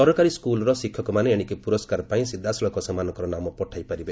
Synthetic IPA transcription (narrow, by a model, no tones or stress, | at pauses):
sɔɾɔkaɾiskulɔɾɔsikʰːjɔkɔmaneeɽ̃ikipuɾɔskaɾpaĩsid̪ʱːasɔlɔkɔsamanɔkɔɾɔnamɔpɔʈʰajpaɾibe